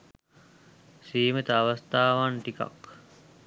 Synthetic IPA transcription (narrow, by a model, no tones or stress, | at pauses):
siːmət̪əaʋast̪aːʋanʈika̰k